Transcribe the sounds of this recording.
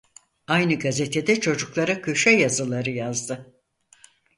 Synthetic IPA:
ajnɯɡazet̪ʰed̪ɛt͡ʃʰo̞d͡ʒuklˠaɾakʰøʃɛjazɯlˠaɾɯjazd̪ɯ

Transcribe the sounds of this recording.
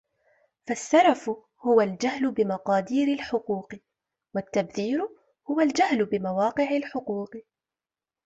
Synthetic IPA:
fasːɑɾˤɑf | hʊwald͡ʒahlʊbɪmɑqɑːd̪iːɾɪlħʊquːq | wat̪ːabθiːɾʊ | hʊwald͡ʒahlbɪmawɑːqɨʕalħʊquːq

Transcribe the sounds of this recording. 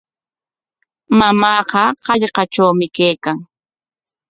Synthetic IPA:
mamɑːqɑqɑʎqɑʈ͡ʂawmɪkejkaŋ

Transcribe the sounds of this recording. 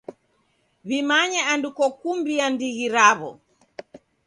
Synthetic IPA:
βimaɲɛandukɔkumbiandiɣiɾaβɔ̰

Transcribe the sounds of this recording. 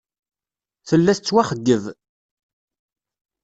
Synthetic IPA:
θəlːæθt͡sːwæχəɡːəð

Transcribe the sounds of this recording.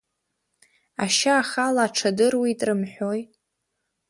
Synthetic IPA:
aʃaːχalaːʈ͡ʂʰadɨrwitʼrɨmħʷᶣoj

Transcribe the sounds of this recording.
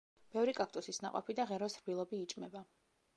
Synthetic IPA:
b̥ɛvɾikʼak̚ʰt̪ʼusisna̰qʼɔ̰pʰid̪aʁɛɾɔsɾbilˠɔbiːt͡ʃʼmɛba

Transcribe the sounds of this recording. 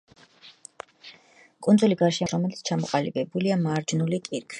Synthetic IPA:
kʼund̪zuliɡaɾʃɛɾɔmɛlit̪sʰt͡ʃʰamɔqʼalḭbɛbuliamaɾd͡ʒnulikʼiɾkʰwi

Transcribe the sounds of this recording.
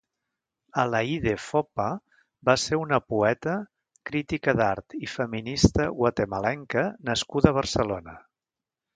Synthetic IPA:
əlaiðefɔpa | baseunəpuɛt̪ə | kɾit̪ikəðaɾt̪ifəminist̪əɣwət̪eməlɛŋkənəskuðəβ̞ərsəlonə

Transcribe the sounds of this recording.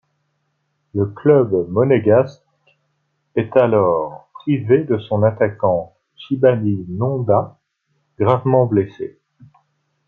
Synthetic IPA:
ləklœbmɔneɡast | ɛt̪alɔːʁpχived̪əsɔ̃nat̪akɑ̃ | ʃibaninɔ̃d̪a | ɡ̥ʁavmɑ̃blesḛ

